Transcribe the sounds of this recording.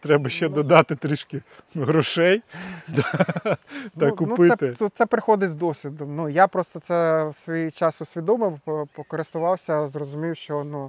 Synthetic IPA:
t̪ɾɛbɐʃt͡ʃɛd̪ɔd̪ɑt̪ɪt̪ɾɪʃkɪɦɾɔʃɛjt̪ | t̪nɐkʊnupɪɛt̪ɪut̪sɛpɾɪxɔd̪ɪzd̪ɔsʲʋʲid̪ɔmnujapɾɔst̪ɔt̪sɛwsʋɔjit͡ʃɑsʊsʲʋʲid̪ɔmɪwpɔkɔɾɪst̪ʊʋɑwsʲɐzrɔzʊmʲijwʃt͡ʃɔnu

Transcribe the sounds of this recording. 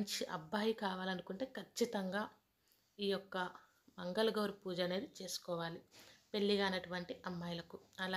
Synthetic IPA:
ɲt͡ʃiʔɐ̰bʱːaːjikaːʋaːlɐnukuɳʈe̞ːkʰɐt͡ʃːit̪ɐŋɡaː | iːjɔkːɐ | mɐŋɡɐlɡɐwɾupuːd͡ʒaːneːɾit͡ʃe̞ːsu̥kɔːʋaːlipe̞ɭːiɡaːɐnɐʈuʋɐɳʈiʔɐmːɐjlɐkuɐla

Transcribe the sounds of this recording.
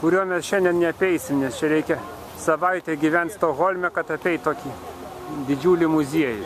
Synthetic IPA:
kʊɾʲuɔmʲɛsʃʲɛnʲd̪ʲɛnnʲɛɐpʲɛɪsʲɪmnʲɛst͡ʃʲɛɾʲɛɪkʲɛ | sɐʋɐɪt̪ʲɛɡʲiʋʲɛnʲt̪st̪oːɣoːlʲmʲɛkɐt̪ɐpʲɛɪtt̪oːkʲiː | d̪ʲɪd͡ʒʲuːlʲɪmʊzʲiɛjɪ

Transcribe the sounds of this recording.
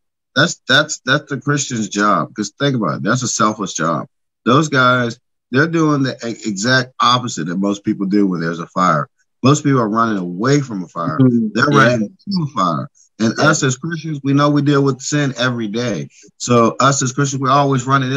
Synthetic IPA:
ðætsðætsðætsðɨkʰɹ̥ɪst͡ʃɨ̃nzd͡ʒɑb̥̚kʌz̥θɪ̃ŋk̬əbaʊɾt̪̚ðætsəsɛlˠfəʃd̥ʒ̥ɑ̰b̥̚ | ðoʊzɡaɪz | ðə˞duɪ̃ŋðiʔʔɪɡzæk̚t̚ɑpɨzɨt̪̚ðɨt̚moʊspipl̩ˠdʉwə̃nðə˞zəfaɪə̰˞ | moʊspipl̩ˠə˞ɹʌ̃nɪ̃ŋəweɪfɹʌ̃məfaɪə̰˞ðə˞ɹʌ̃nɪ̃ŋəfaɪə̰˞ | ɨ̃nʌsɨz̥kʰɹ̥ɪst͡ʃɨ̃nzwinoʊwidɪlˠwəð̥sɪ̃nɛvɹideɪ | soʊʔʌsɨz̥kʰɹ̥ɪs̬t͡ʃnzwiɔlˠwizɹʌ̃nɪ̃ŋ̃

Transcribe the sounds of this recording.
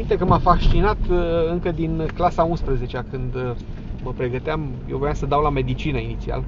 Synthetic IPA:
int̪ekəmafaʃt͡ʃinat̪ɨŋkəd̪inklasaunspɾəze̞t͡ʃeakɨnd̪ | məpɾe̞ɡət̪eamjewvojamsəd̪awlame̞d̪it͡ʃinəinit̪sia̰l

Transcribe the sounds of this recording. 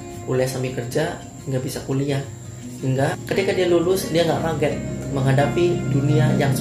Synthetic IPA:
ulɛsambikərd͡ʒa | iŋɡabisakulia | hiŋɡakət̪ikadialulʊsdiaŋɡaʔpaɡɛt̪̚məŋɦadapiduniajaŋs

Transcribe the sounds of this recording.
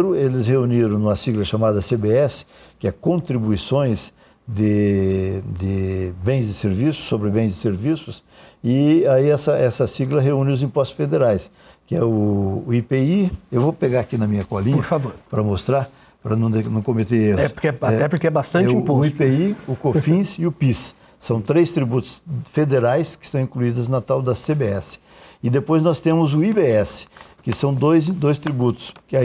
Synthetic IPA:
ɾʊelɪsheuniɾɐ̃w̃nũmɐsiɡlɐʃamad̪ɐsebeɛsɪ̥kɪɛkõnt̪ɾibuisõj̃z | d̪ɪ | d̪ɪbẽj̃zd̪ɪseɾvisʊ̥sːobɾɪbẽj̃zd̪ɪseɾvisʊs | ɪaiɛsɐʔɛsɐsiɡlɐɦeũnɪʊzĩpɔst̪ʊsfed̪eɾajs | kɪɛʊːipeiewvopeɡaakinɐmĩɲɐkɔlĩɲoɐɾfavoɾpɾɐmost̪ɾaɾ | pɾɐnɐ̃w̃d̪enɐ̃w̃kõmet̪eɾeɛkɛat̪ɛpʊɾkeɛbast̪ɐ̃nt͡ʃpoʊipeiʊkofĩsɪʊpis | sɐ̃w̃t̪ɾejst̪ɾibut̪ʊ̥sfed̪eɾajskɪ̥st̪ɐ̃w̃ĩkluid̪ʊznɐt̪awd̪ɐsebeɛsɪ̥ | ɪd̪epojznɔst̪ẽmʊzʊibeɛsɪ̥kɪsɐ̃w̃d̪ojzd̪ojst̪ɾibut̪ʊ̥skɪa

